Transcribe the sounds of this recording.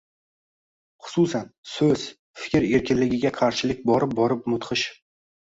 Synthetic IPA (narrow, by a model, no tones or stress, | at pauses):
χʊ̥susansɵz̥ | fɪ̥kʲɪɾe̞ɾkʲɪnlɪɡʲɪɡʲaqʰɑɾʃɪlɪk̚ʲbɒɾɪp̚bɒɾɪp̚mʊt̪qʰɨʃ